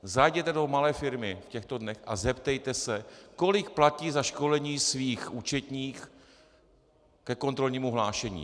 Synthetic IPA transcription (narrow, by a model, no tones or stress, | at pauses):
zajɟɛt̪ɛdo̞malɛːfɪɾmɪfcɛxt̪o̞dnɛxʔa̰zɛpt̪ɛjt̪ɛsɛko̞lɪkplaciːzaʃko̞lɛɲiːsviːxʔuːt͡ʃɛt̪ɲiːx | kɛko̞nt̪ɾo̞lɲiːmuɦlaːʃɛɲḭː